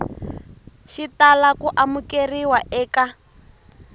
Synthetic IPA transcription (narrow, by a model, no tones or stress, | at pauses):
ʃitalakuʔamukeriwaʔɛːka